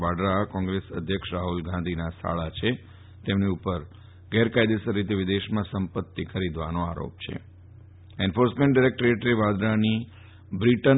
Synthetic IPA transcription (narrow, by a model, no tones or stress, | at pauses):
ʋaɖɾakɔ̃ŋɡɾesə̰d̪ʱjəkʃɾaɦulɡãnd̪ʱinasʰa̰ɭat͡ʃʰe | t̪emniupəɾ | ɡɛɾkajd̪esəɾːit̪eʋɪd̪eʃmãsəmpət̪ːikʰəɾid̪ʋanoa̰ɾo̰p̚t͡ʃʰḛ | enfoɾsmẽɳʈ̚ɖaɾek̚ʈəɾeʈəɾeʋad̪ɾani | bɾiʈən